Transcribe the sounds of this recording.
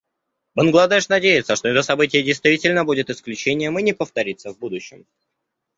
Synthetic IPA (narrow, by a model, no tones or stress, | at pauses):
bənɡlˠɐd̪ɛʂnɐdʲejɪt̪səʂt̪oɛt̪əsɐbɨtʲɪjədʲɪjst̪vʲitʲɪlʲnəbudʲɪt̪ɨsklʲʉt͡ɕenʲɪjəmɨnʲɪpəft̪ɐɾʲit̪səvbud̪ʊɕːɪ̰m